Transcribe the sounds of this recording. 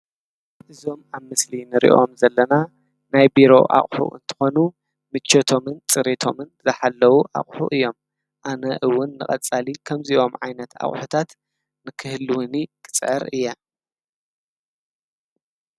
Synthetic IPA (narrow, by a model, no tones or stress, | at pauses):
ʔɨzo̞maβmɨslinɨɾḭʔo̞̰mzɐlːɐna | najbiɾo̞̰ʔa̰χʼħṵʔɨ̰nt̪ʰɨ̥xo̞nu | mɨt͡ʃːɐt̪ʰo̞mɨnt͡sʼɨɾet̪ʰo̞mɨnzɨħalːɐwuʔa̰χʼħṵʔɨjːo̞m | ʔanɐʔɨwːʊnːɨχʼɐt͡sʼalikʰɐmziʔo̞mʕajnɐt̪a̰χʼħut̪ʰat̪ | nɨkʰɨhlwʊnikʼɨt͡sʼʕɨ̰ɾɨjːa